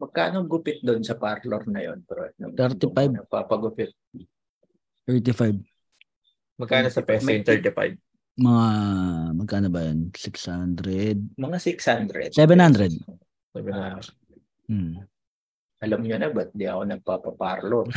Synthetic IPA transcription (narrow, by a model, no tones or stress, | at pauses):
mɐɡ̚kaːnoɡʊpɪt̪̚d̪onsɐpaɾloɾnɐjo̰npɛɾo̰ʔɐno̰t̪ɛɾt̪ɪpajbnɐɡ̚papɐɡʊpɪt̪̚ | t̪ɛɹt̪ɪfajb̚ | mɐɡkaːnosɐpɛmt̪ɹt̪ifa̰jb̚ | mɐŋamɐɡ̚kaːnobɐjonsɪkshand̪ɾɛd̪̚mɐŋasɪkshand̪ɾɛ̰d̪sɛvɛnhand̪ɾɛd̪̚ | sɛvɛaa | m̩ | ʔɐlamɲonɐbɐt̪̚d̪iɐkonɐɡ̚papɐpaɾloɾ